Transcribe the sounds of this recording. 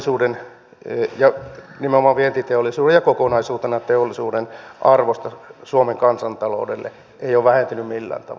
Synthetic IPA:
suːden | jɑnimeomɑʋʋient̪it̪eolːˑisuːejjɑkokonɑisuːt̪enɑt̪eolːisuːdenʔɑrʋost̪ɑsuomeŋkɑnsɑnt̪ɑlo̰udḛlːḛ | eijoːʋʋæhent̪ynymmilːæ̰ːnt̪ɑ̰ʋ

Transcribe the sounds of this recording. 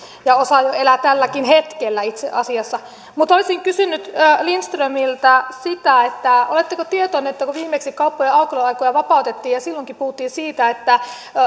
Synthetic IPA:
jɑosɑjoelæt̪ælːækinhet̪kelːæit̪sḛʔɑsiɑsːɑ | mut̪olisiŋkysynːyt̪ːlinst̪rømilt̪ɑsit̪æet̪ːæo̰let̪ːekot̪iet̪onyet̪ːækuʋiːmeksikɑupːojeɑukeloɑikojɑʋɑpɑˑut̪et̪ːiːjɑsilːoŋkipuhut̪ːiːsiːt̪æet̪ːæ

